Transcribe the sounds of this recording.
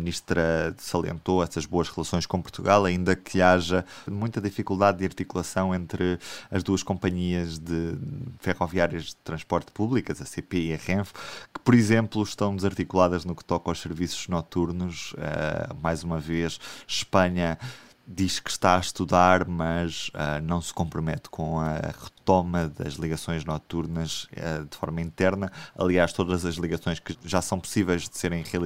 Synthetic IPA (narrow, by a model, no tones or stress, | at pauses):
ɐmniʃt̪ɾɐsɐlˠḛ̃nt̪oɛsɐʒβoɐʃʁɨlˠɐsõj̃ʃkõpuɾt̪uɣalˠɐĩnd̪ɐkʰɨaʒɐmũj̃t̪ɐðifikulˠd̪aðːiɐɾt̪ikulˠɐsɐ̃w̃ẽnt̪ɾɨɐʒd̪uɐʃkõmpɐɲiɐʒðɨfɛʁɔviaɾiɐʒðɨt̪ɾɐ̃ʃpɔɾt̪puβlˠikɐzɐsepeiɐʁẽfkɨ̥pɔɾizẽmplˠuʃt̪ɐ̃w̃d̪zɐɾt̪ikulˠaðɐʒnukt̪ɔkawʃsɨɾvisu̥ʒnɔt̪uɾnuʃɛ̰majzumɐveʃʃpɐɲɐ | d̪iʃkɨ̥ʃt̪aɐʃt̪uðaɾmɐʃɛnɐ̃w̃skõmpɾumɛt̪kʰõɐʁɨt̪omɐðɐ̰ʒlˠiɣɐsõj̃ʒnɔt̪uɾnɐʒɛ̰d̪ɨfɔɾmɐĩnt̪ɛɾnɐɐ̰lˠiaʃt̪oðɐzɐʒlˠiɣɐsõj̃ʃkɨʒasɐ̃w̃pu̥sivɛjʒðɨseɾɐ̃j̃ʁiɐlˠ